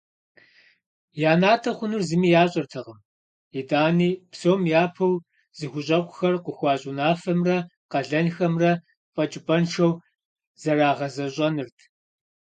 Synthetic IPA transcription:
jaːnaːtʰɐχʷʊnɨrzɨmiːjaːɕʼɐrtʰɐʁɐm | idaːniːpsowmjaːpʰɐw | z̥ɨɣʷʊɕʼɐqʷʼʊxɐrqʷəxʷɑːɕʼʊnaːfɐmrɐ | qɐɮɐnxɐmrɐ | pʼɐt͡ʃʼɪpʼɐnʃɐw | z̥ɐraːʁɐzɐɕʼɐnɨrtʰ

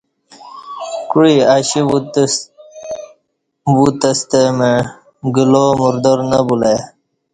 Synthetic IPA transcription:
kuɻiaɕi | but̪əst̪eme | ɡilomuɾd̪əɾnɐbula

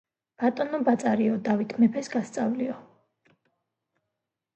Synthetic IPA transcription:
b̥at̪ʼɔnɔbat̪sʼaɾiɔd̪avit̪ʰmɛpʰɛsɡast̪sʼavliɔ

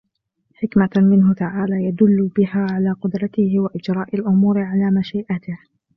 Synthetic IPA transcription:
ħɪkmamɪnɦʊt̪aʕaːlaːjad̪ʊlːʊbɪhaːʕalaːqʊd̪ɾˤɑt̪ɪhɪwaʔɪd͡ʒɾˤɑːʔalʔʊmuːɾɪʕalaːmaʃiːʔat̪ɪh

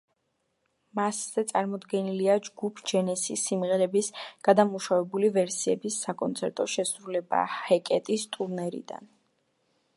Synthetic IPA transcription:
masz̥ɛt̪sʼaɾmɔd̪ɡɛniliad͡ʒɡupʰd͡ʒɛnɛsisːimʁɛɾɛbisɡ̥ad̪amuʃavɛbulivɛɾsiɛbisːakʼɔnt̪sʰɛɾt̪ʼɔʃɛsɾulɛba̰hɛkʼɛt̪ʼist̪ʼuɾnɛɾḭd̪a̰n

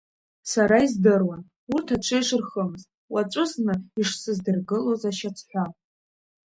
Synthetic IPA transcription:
saɾaizdɨrwan | urtʰaʈ͡ʂʷʰɨjʂɨrχəmɨztʼwat͡ʃʷʼʊznɨiʂsɨzdɨrɡɨlozaʃat͡sʷʰħʷa

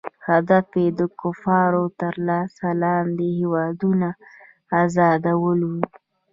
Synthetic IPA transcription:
had̪afed̪əkʊfɑɾot̪əɾlɑsalɑnd̪ehewɑd̪unaː | zɑd̪awəlwu

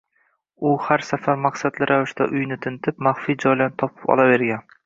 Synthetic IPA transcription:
ʊhaɾsafaɾmaqsad̪lɪɾʔavɪʃt̪a̰ʔʊjnɪt̪ʰɪnt̪ʰɪpmaχfijd͡ʒɒjlant̪ʰɒpʰɪ̥pɒ̰lˠave̞ɾɡʲan

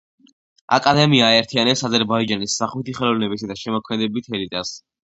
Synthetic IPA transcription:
a̰kʼad̪ɛmiaːɛɾt̪ʰianɛpsazɛɾbaid͡ʒanisːaχwit̪ʰiχɛlˠɔvnɛbisad̪aʃɛmɔkʰmɛd̪ɛbit̪ʰɛlit̪ʼas

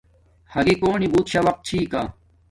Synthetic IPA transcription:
hɐɡikoːnibuːt̪ɕaʋɐq̚t̪̚t͡ɕʰiːkaː

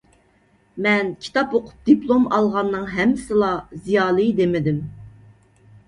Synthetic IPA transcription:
mɛnkʲʰi̥t̪ʰɑpoqʰʊ̥p̚d̪̥iplˠomɑlˠʁɑnːɨŋɦɛmːɪsɪlˠɑzijɑːlˠɨd̪emɪd̪ɪm

